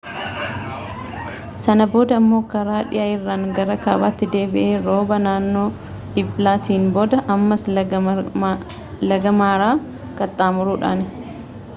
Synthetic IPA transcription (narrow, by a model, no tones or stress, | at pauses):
sɐnɐbo̞ːd̪ɐmːo̞ːkɐɾaːᶑɪjaːɪrːaːŋɡɐɾɐkaːbaːt̪ːɪd̪e̞ːbɪʔeːɾo̞ːbɐnaːnːo̞ː | ɪplaːt̪iːnbɔd̪ɐʔɐmːɐs | lɐɡɐmaːɾaː | kʼɐt̪ʼːaːmʊɾuːᶑa̰ːnɪ